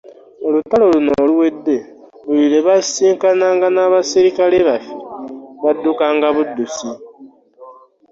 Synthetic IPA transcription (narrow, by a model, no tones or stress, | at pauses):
olutalolunoluwe̞dːe̞ | luβiɾe̞βasiːŋkanaːŋɡanaβasiɾikaleβafiβadːukaːŋɡaβudːusi